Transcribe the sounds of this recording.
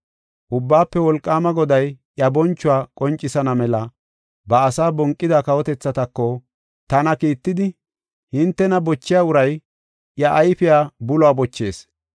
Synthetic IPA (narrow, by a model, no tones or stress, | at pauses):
ʔʊbːaːpːɛwɔlkʼːaːmɐɡɔd̪ɐjʔjɐbɔnt͡ʃːʊwaːkʼɔnt͡ʃʼːɪsɐnɐmɛlɐ | bɐːsaːbɔŋkʼːɪd̪akɐwɔt̪ɛt͡sːɐt̪ɐkːɔ | t̪ɐnɐkiːt̪ːɪd̪ɪ | hɪnt̪ːɛnɐbɔt͡ʃːɪjaːʊɾɐj | ʔjɐʔːjfɪjaːbʊlɔaːbɔt͡ʃːe̞ːs